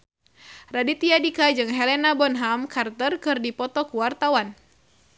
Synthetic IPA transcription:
radit̪iadikad͡ʒɨŋɦɛlɛnabɔnɦamkʰart̪ərkɨrdipɔt̪ɔkuwart̪awan

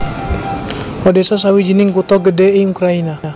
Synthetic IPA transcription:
ɔdɛsas̬awid͡ʒənɪŋkut̪ɔɡədɛiukɾainaa

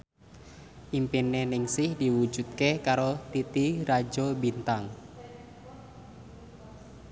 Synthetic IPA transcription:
ʔimpinenɪŋsɪhdiwu̥d͡ʒṳt̪̚kekaɾot̪it̪iɾad͡ʒobint̪aŋ

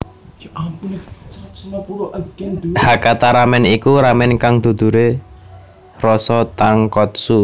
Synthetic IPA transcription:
u | hakat̪aɾamɛnikuɾamɛnkaŋd̪̥o̤d̪̥ṳɾe | rɔsɔt̪aŋkɔt̪̚su

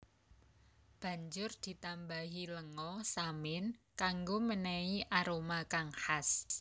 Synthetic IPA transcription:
b̥a̤ɲd͡ʒʊrd̪̥i̤t̪ambaɦiləŋɔsamɪnkaŋɡomənɛiʔaɾomakaŋhas

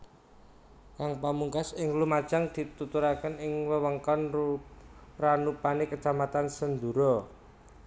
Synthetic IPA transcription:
kaŋpamuŋkasɪŋlumad̥ʒ̥a̤ŋd̪̥i̤t̪ut̪uɾakənɪŋwəwəŋkɔn | ranupanekət͡ʃamat̪ansənd̪uɾɔ

